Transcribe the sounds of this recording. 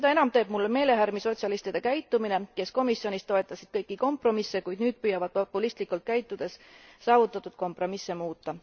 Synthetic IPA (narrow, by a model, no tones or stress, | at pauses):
seɑe̞nɑmt̪e̞ːb̥mulːeme̞ːle̞ɦæɾmiso̞t̪ʲsʲjɑlist̪id̪e̞kæjt̪ːˑumine̞ke̞sko̞misjo̞nʲist̪ːo̞e̞t̪ˑːɑsid̪̥̚kɤjkːˑiko̞mpro̞misːekujd̪̥nyːd̪̚pyjɑvɑd̪̥̚popˑːulist̪likult̪̚kæjt̪ːˑud̪̥e̞ssɑːvut̪ːˑɑt̪ːˑud̪̥ko̞mpro̞misːemuːt̪ːɑ